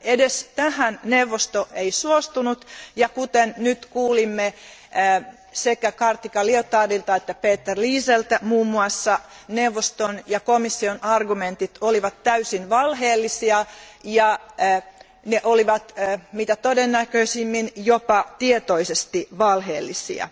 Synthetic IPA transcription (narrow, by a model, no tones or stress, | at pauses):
edest̪æhænneuʋːost̪oʔeisuost̪unut̪jɑkut̪ennyt̪kuːlimːe | sekækɑrt̪ikɑliot̪ɑːdilt̪ɑet̪ːæpeːt̪ːerliːselt̪æmuːmːuɑsːɑ | neuʋːost̪onjɑkomisːionɑrɡument̪it̪oliʋɑt̪tæysinʋɑlheːlːisiɑjɑ | neʔoliʋɑt̪ːmiːt̪æt̪odenːækøisimːinjopɑt̪iet̪oisest̪iʋɑlhḛːlːisḭɑ̰